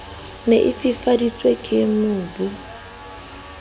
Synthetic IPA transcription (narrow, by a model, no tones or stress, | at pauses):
neʔɪfifadit͡sʼwekʼɪmʊːbu